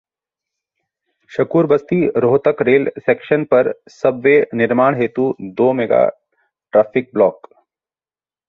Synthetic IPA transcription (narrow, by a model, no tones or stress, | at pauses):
ʃɐkuːɾbɐst̪iɾoːt̪əkɾeːlseːkʃənpɐɾsɐbʋenɪɾmaːɽ̃ɦeːt̪ud̪oːmɛɡa̰ | ʈɾaːpʰɪk̚blɔːk